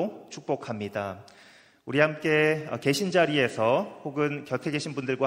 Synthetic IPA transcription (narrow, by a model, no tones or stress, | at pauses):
t͡ɕʰuk̚p͈okʰamɲida | uɾiɦamk͈e̞ʌ̰ke̞ɕʰind͡ʑaɾie̞sʰʌhoɡɯnkjʌtʰe̞ɡe̞ɕʰinbundɯɭɡwa